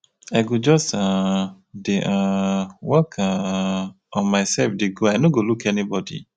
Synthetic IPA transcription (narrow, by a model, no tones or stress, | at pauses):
aɪɡod͡ʒɔstã | deʔãwɔkʰã | ɔ̃nmaɪsɛlfdeɡoaɪnoɡolukɛnibɔdḭ